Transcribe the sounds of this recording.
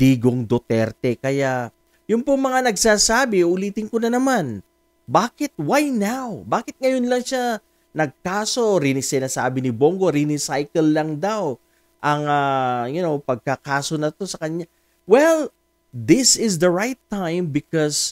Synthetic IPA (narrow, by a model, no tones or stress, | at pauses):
d̪iːɡoŋd̪ot̪ɛɾt̪ɛkɐja | jʊŋpʊŋmɐŋanɐɡsaːsaːbɪʔʊliːt̪ɪŋkonɐnɐman | baːkɪt̪̚wajnawbaːkɪt̪̚ŋɐjo̞nlɐŋʃa | nɐɡ̚kaːso̞ɾinɪsɪnaːsaːbɪnɪbo̞ŋɡo̞ɾinɪsajkɛlːɐŋd̪aw | ʔɐŋɐjʊnowpɐɡ̚kɐkaːso̞nɐt̪o̞sɐkɐɲa | wɛl | d̪ɪsɪsd̪ɐɹajt̪ːajmbɪkɔs